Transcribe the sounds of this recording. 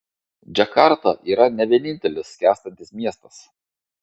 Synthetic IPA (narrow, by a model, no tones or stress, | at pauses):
d͡ʒʲɛkɑɾt̪ɐʔiːɾɐnʲɛʋʲiɛnʲɪnʲt̪ʲɛlʲɪskʲæːst̪ɐnʲt̪ʲɪsmʲiɛst̪ɐs